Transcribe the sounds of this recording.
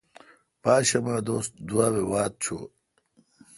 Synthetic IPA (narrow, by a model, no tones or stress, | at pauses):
paːɕɐmaːd̪oːst̪̚d̪uaːwewaːt̪̚t͡ɕʰo̰ː